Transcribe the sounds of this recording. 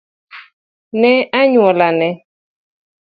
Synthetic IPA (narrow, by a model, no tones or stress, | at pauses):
nɛaɲwɔlanɛ